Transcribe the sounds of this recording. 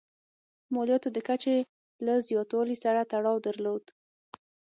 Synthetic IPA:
mɑljɑt̪od̪əkat͡ʃe | lazjɑt̪wɑlisaɾat̪aɽɑwd̪əɾlod̪

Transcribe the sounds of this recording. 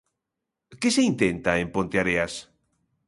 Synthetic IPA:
keseint̪ent̪aempont̪eaɾeas

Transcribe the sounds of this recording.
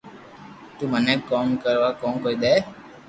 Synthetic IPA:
t̪uːməneːkoːmkəɾʋaːkõːmkoːid̪eː

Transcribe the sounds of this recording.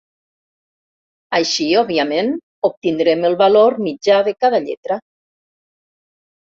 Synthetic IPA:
ajʃiɔβiamen | op̚t̪ind̪ɾeməlˠβaloɾmid͡ʒaðəkaðaʎḛt̪ɾa

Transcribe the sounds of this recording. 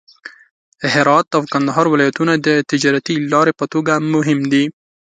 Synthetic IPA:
ɪɦɾɑt̪awkand̪aɦɑɾwɪlɑjat̪unad̪ət̪ɪd͡ʒɑɾat̪ilɑɾepət̪oɡamʊɦɪmd̪i

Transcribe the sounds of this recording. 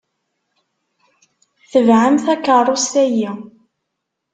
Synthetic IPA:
θəvʕamθækːərˤːost̪æji

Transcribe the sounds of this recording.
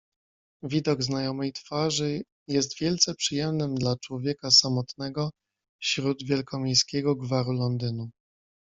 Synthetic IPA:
vʲid̪ɔɡznajɔmɛjt̪faʐɘ | jɛst̪vʲjɛlt̪sɛpʂɘjɛmnɘmd̪lat͡ʂwɔvʲjɛkasamɔt̪nɛɡɔ | fɕɾud̪vʲjɛlkʰɔmʲejskʲɛɡɔɡvaɾulɔnd̪ɘnu

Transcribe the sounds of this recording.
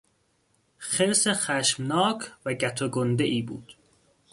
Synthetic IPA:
xeɾsexæʃmnɒːkʰvæɟæt̪ʰoɡond̪eʔiːbṵːd̪̥

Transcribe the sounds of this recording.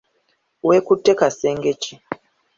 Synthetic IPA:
wekutːekaseːŋɡeci

